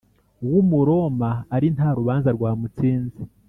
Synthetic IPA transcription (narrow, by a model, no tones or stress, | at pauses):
uwumuɾo̞maːɾin̥haɾuβaːnzaɾɡwaːmut͡siːnzi